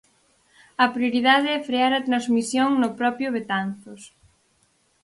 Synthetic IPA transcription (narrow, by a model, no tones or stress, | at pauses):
ɐpɾjoɾiðaðɪɛfɾeaɾɐt̪ɾanzmisjoŋnʊpɾɔpjʊβ̞et̪anθʊs